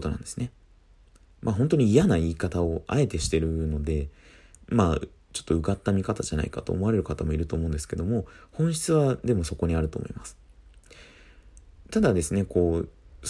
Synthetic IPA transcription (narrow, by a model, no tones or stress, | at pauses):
ot̪o̞nã̰nd̪esɨne̞ | maɦõ̞nt̪o̞ɲ̟iːjanaiːkat̪ao̞ʔa̰e̞t̪e̞ɕi̥t̪e̞ɾɯ̟no̞d̪e̞ | ma | t͡ɕo̞̥t̪ːo̞ɯ̟ɡat̪ːamʲikat̪aʑana̰ika̰t̪o̞̰ːmo̞aɾe̞ɾɯ̟kat̪amo̞iɾɯ̟t̪o̞ːmõ̞nd̪e̞sɨ̥ke̞d̪o̞mo̞hõɰ̃ɕi̥t͡sɨβad̪e̞mo̞so̞ko̞ɲ̟iaɾɯ̟t̪o̞ːmo̞̰imasɨ̥ | t̪ad̪ad̪e̞sɨne̞ko̞ː